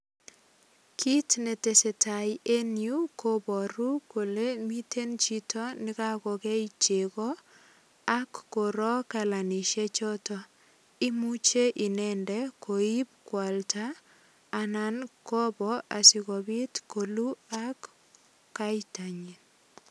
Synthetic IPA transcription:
kʰi˦tne˨te˨se˨ta˨je˦nju˦kʰo˦bɔ˨ɾu˦ko˨le˦mi˦tʰe˦nt͡ʃi˦tɔ˦nɪ˦ka˦kɔ˨kɛ˦i˦t͡ʃe˨ɣɔ˦ | a˦kːo˨ɾɔ˦ka˨la˨ni˨ʃe˦t͡ʃɔ˦tɔ˦ | i˦mu˦t͡ʃe˦ʔi˨nɛ˦ndɛ˦kʰo˨i˦p̚kwa˨ltaː˦˨ | na˦nkɔ˦bɔ˦a̰˨sɪ˨ɣɔ˨bi˦tko˨lu˦a˦kː | a˦jta˨ɲi˨

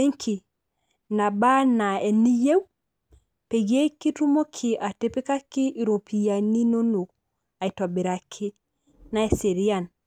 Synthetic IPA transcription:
e˦ŋkʰi˨ | na˨ba˦na˨e˨ni˦je˦w | pe˨ɡe˦ki˦tu˦mo˦kʰi˨a˨te˨pi˦ka˦ki˦i˨ɾo˨pi˨ja˨ni˦no˦no˨ | a˨i˨tɔ˨bi˨ɾa˨kʰɪ˦ | na˦e˨si˨ɾi˦a˨n

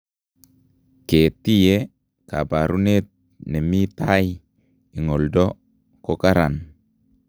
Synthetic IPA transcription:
ke˨ti˦je˦ | ka̰˨ba˨ɾu˦ne˦t̚ | ne˨mi˦t̪a˦j | i˨ŋo˨ldɔ˦ | ko˦ka˦ɾa˨n

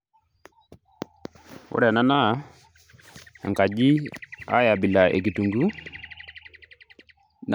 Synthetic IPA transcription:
ʊ̰˦ɾɛ˨na˦na˦˨˦ | a̰˨ŋka˨d͡ʒi˦a̰˦ja˨bɪ˨la˨ʔḛ˨k̬i˨tu˨ŋɡu˦ | n

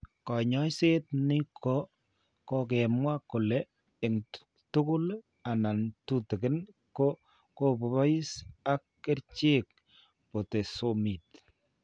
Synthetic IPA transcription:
kɔ˨ɲɔ˦jse˦tni˦kʰo˦ | kɔ˦k̬ɛ˨mwa˦kʊ˨lɛ˦ | ɪ˨ŋt | tʊ˦kʊ˦l | a˨na˨ntu˦te˨kɪ˦n | ko˦ | ko˦po˨βa˦i˦sa˦kːe˦ɾt͡ʃe˦k̚ | po˨te˨so˨mi˨t

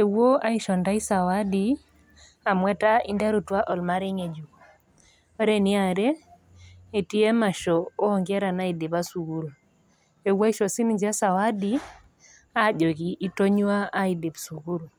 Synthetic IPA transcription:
e˨wo˦a˦i˦ʃɔ˨nda˦i˦sa˨wa˦di | a˨mwɛ˦ta˦i˦nda˦ɾu˨twa˦ʔɔ˨lma˦ɾɛ˦ŋe˨d͡ʒu˨k | ɔ˦ɾɛ˦ni˦a˨ɾɛː˦˨ | ti˦e˦ma˨ʃɔː˨˦ŋɡɛ˦ɾa˨na˦i˨de˨βa˦su˨ɣu˦ɾu˨ | e˨wa˦i˦ʃɔ˨si˦niɲd͡ʒa˦sa˨wa˦di | a˦ʄo˨ki˨ʔːto˦ɲwa˦ʔːi˨di˨bsu˨ɣu˦ɾu˨

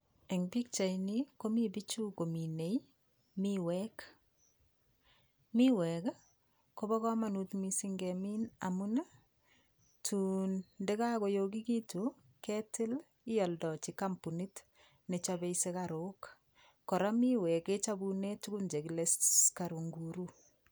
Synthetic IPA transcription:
e˨ŋbi˦k̚t͡ʃa˨ini˦ko˦mi˦bi˦t͡ʃu˦ko˨mine˨j | miwɛk | mi˦wɛ˨k | ko˦bɔ˦kɔ˦ma˨nutmisi˦ŋɡɛmi˦na̰mu˦na˦ | tʰu˨ndɛ˦ka˦ko˨jo˦k̬i˦ki˦tu | kɛ˦tɪ˦l | ɪ˦jɔ˨ldɔ˨t͡ʃi˨kampu˨ni˦t | ne˨t͡ʃabe˦ise˦kaɾo˦k | kːɔ˨ɾa˦mi˦wɛ˨ke˦t͡ʃabune˦tu˦ku˦nd͡ʒe˨kileska˨ɾu˨ŋɡuɾu˦

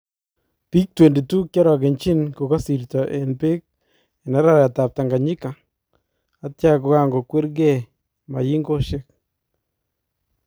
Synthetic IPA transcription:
pi˦k̚twe˨ndi˨tu˦kjɔ˦ɾɔ˨ɡɪ˨nt͡ʃɪ˦nko˨ka˦si˨ɾtɔ˨ʔe˨npɪ˦k̚ | ɛ˨na˦ɾa˦˨ɾa˨ta˨p̚ta˨ŋɡa˨ɲɪ˦ka˨ | a˨tja˦ko˨ka˦ŋɡo˨kwe˦ɾɡɛ˦˨ | ma̰˨ji˦ŋɡo˦ʃɪ˦k̚

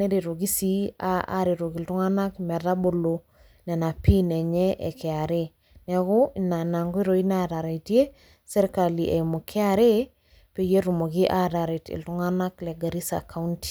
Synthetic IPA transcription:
ne˦ɾe˨ɾo˨ɡi˦si˦aa̰ɾe˨ɾo˨ki˨ltu˦ŋa˦na˦kmɛ˨ɾa˦bo˨lo˨ | nɛ˨na˨pi˦nɛ˨ɲɛ˦ʔɛ̰˨kɛ˨a˨ɾe | nɛ˨ko˦na˨na˨ŋɡo˦i˦ɾo˨i˦na˦ɾa˨ɾa˨itje˦ | sɛ˦ɾka˨li˨ʔe˨mu˨kʰɛ˦aɾe˦ | pe˦je˦ɾu˨mo˨ɡi˦ʔa˦ɾa˨ɾe˨tḭ˨ltu˦ŋa˦na˦klɛ˨ɡa˨ɾi˦sa̰ka˦unti̥˨

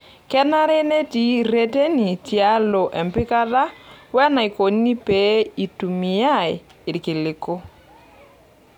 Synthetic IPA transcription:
kɛ˦na˦ɾɛ˦ne˦ti˨ɾe˦te˦ni˨tja˦lo˨ʔɛ˨mpɪ˦ka˦ða˦wɛ˦na˨i˨ko˨n˦ni˦pe˨˦i˨tu˨mi˨ja˦˨ɪ˨ | ɪ˨ɾkɪ˨lɪ˨ko˦

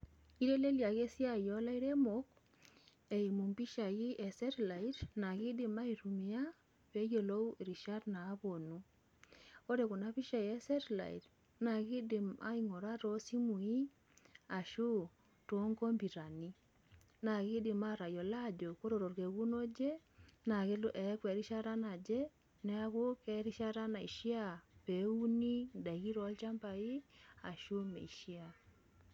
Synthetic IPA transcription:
i˦ɾe˦le˦lja˨ɣe˦si˦a˦˨jo˦la˦i˦ɾe˦mo˨k | e˨i˨mu˨mbi˦ʃa˨ɣɪ˦ʔe˨sɛ˦ɾla˨i˦ɾna˨ɣi˦dɪ˨ma˦i˨ɾu˨mi˨˦a˦ | pe˦jo˨lo˦˨ɾi˨ʃa˦dnaː˨˦βo˨nu˦ | o˦ɾe˨ku˨na˦βi˦ʃa˨ji˨˦e˦se˦ɾla̰˨ḭ˨t | na˨ɣi˦dɪ˨ma̰˦i˨ŋo˨ɾa˦ɾo˦si˦mu˨i˦ | a˨ʃu˦ | to˦ŋɡo˦mbi˨ɾa˨ni˦ | na˨ɣi˦dɪ˨ma˦ɾa˨jo˨la˦d͡ʒo˨ko˦ɾo˨ɾo˨ɾke˨ɣu˦no˦d͡ʒe˦ | na˨ɣe˦ʔɛ˨˦kwɛ˨ɾi˦ʃa˦ɾa˦na˨d͡ʒɛ˦ | nɛ˦a˦ɣo˦kɛ˨˦ɾi˦ʃa˦ɾa˦na˨i˨ʃi˦a˦˨pe˨˦u˦ni˦nda˨ɣi˦ɾɔ˨˦lt͡ʃa˦mba˨i˦a˨ʃu˦mḛ˨i˨ʃi˦a˨

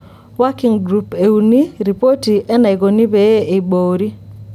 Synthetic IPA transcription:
wa˦ki˨ŋɡɾu˨pe˨u˨ni˦ɾi˨po˦ti˨ʔɛ˦na˨ɪ˨ɡo˨ni˦be˨e˦e˨boː˨ɾi˦

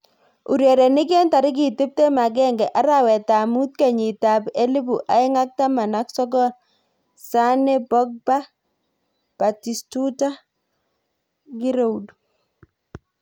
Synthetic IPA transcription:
u˨ɾjɛ˨ɾe˨ni˦k̬ɛ˦nta˨ɾi˦k̬i˨tɪ˦p̚te˦ma˨k̬ɛ˦ŋɡɛ˨ʔa˦ɾa˦wɛ˨ta˨mu˦t̚ke˨ɲi˨ta˨pe˦li˦bu˨ʔa˨ɪ˦ŋa˦k̚ta˦ma˨na˦ksɔ˦ɡɔ˦l | sa˦nɛ˦bɔ˦k̚ba˦ | pa˨ti˨stu˦ta˦ | ɡi˦ɾo˦du

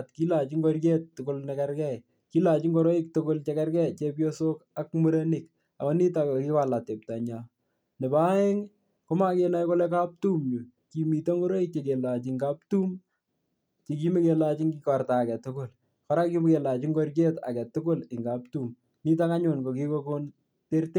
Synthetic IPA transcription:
atki˦la˨t͡ʃi˦ŋɡɔ˦rke˦tːʊko˦lnɛkɛ˦ɾkɛ˦˨ | ki˦la˨t͡ʃi˦ŋɡo˦ɾo˦ɪ˦k̚tʊko˦lt͡ʃe˦kɛ˦rkɛ˦t͡ʃe˦p̬jo˦so˦ka˦kmu˦ɾe˦nɪ˨k | a̰˨ɔ˦ni˦ta˨koki˦ka˨la˨te˨p̚ta˨ɲa˨ | ne˨ba˦e˦ŋ | ko˦ma˦ke˦na˦jko˦lɛ˦ka˦p̚tu˦mɲu˨ | ki˨mi˨to˦ŋɡo˦ɾo˦i˦k̚t͡ʃe˨ke˨la˨t͡ʃɪŋɡa˦p̚tu˦m | t͡ʃe˨k̬i˦mi˦ke˨lat͡ʃi˦ŋɡikɔ˨rta˨kɛ˨tʊkʊ˦l | kɔ˦ɾa˦ki˦m˦ke˨la˨t͡ʃi˦ŋɡo˦rke˦ta̰˨kɛ˨tʊ˦kʊ˦lɪ˨ŋɡa˨p̚tu˦m | ni˦t̬a˦ka˦ɲʊ˨nko˨ki˦ko˦ko˦n | te˦rte˦

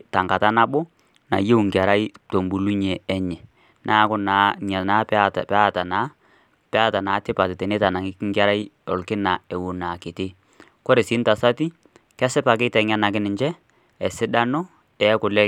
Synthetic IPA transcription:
ta˨ŋɡa˨ta˦na˦bʊ˦ | na̰˨je˦u˨ŋɡa˨ɾa˦i˦to˨mbu˨lu˦ɲe˨ɛ˦ɲɛ˨ | nʔaː˦kʊ˦na˨˦ɲa˨na˨˦ptpɛ˦a˦ta˨na˦ | pɛ˦a˦ta˨naː˨˦tɪ˦pa˨tɪ˨tɛ˨ne˦ta˨na˨ŋɪ˦kŋɡa˦ɾa˦i˦ɔ˨lkɪ˦na˨ɛ˨wu˨na˨ke˨te˦ | kɔ˦ɾe˨si˨˦nta˨sa˦ti˦ | kɛ˦sɪ˦pa˨k̬ɪ˦tɛ˨ŋa˦na˨kɪ˦nɪ˨ɲt͡ʃɛ˦ | ɛ˨sɪ˦da˦nɔ˦ | ɛ˨˦kʊ˨lɛ˦

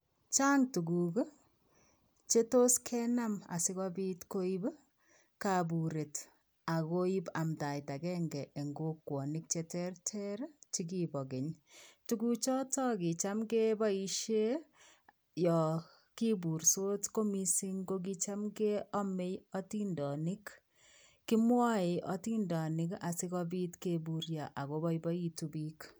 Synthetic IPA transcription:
t͡ʃa˦ŋtu˨ɡu˨ɡ | t͡ʃe˦to˦skʰɛna˦ma̰˨sɪ˦kɔ˦bi˦tko˦i˦b | kabu˨ɾe˨t | a˨ko˦i˦ba˨mta˨jta˨kɛ˦ŋɡɛ˨ʔe˨ŋɡokwɔ˨nik̚t͡ʃɛtɛrtʰɛ˦ɾt͡ʃi˦kibɔ˨ɡe˨ɲtuku˦t͡ʃɔ˦tɔ˦ki˨t͡ʃa˦mke˦bɔ˦i˦ʃe˦ | jɔ˨ | ki˦bu˨ɾso˦tko˦mi˦si˦ŋɡo˦k̬it͡ʃa˦mke˦ɔ˦me˦jɔ˦ti˦ndɔ˨ni˦k | kːi˦mwa˦e˨ʔɔ˦ti˦ndɔ˨nɪ˦ka˨si˦kɔ˦bi˦tkebu˨ɾja˨ʔa˨ko˦bɔ˦ibɔ˦i˦tu˦bi˦k

